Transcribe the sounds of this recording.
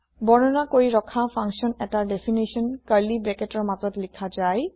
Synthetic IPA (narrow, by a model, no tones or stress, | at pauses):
bɔnɔnakoɹiɹɔkʰapʰaŋksɔnɛtadepʰinisɔnkaɹlibɹɛkɛtɔɹmazɔtlikʰazaj